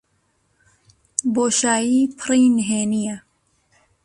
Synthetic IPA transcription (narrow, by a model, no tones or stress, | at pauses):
boːʃaːjiːpʰɨɾiːnɦeːnija